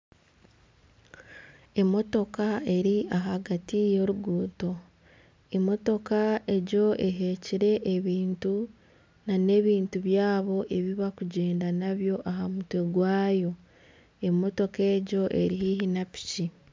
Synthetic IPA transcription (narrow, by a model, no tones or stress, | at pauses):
e̞mo̞to̞kae̞ɾiaɦaɡatijo̞ɾuɡuːto̞ | emo̞to̞kae̞ɟo̞ʔe̞ɦe̞ciɾe̞ʔːβiːntu | nane̞ːβiːntuβjaːβo̞ʔe̞βiβakuɟe̞ːndanaβjo̞ʔaɦamutwe̞ɡwaːjo̞ | e̞mo̞to̞ke̞ːɟo̞ʔe̞̰ɾiɦiɦinapi̥ci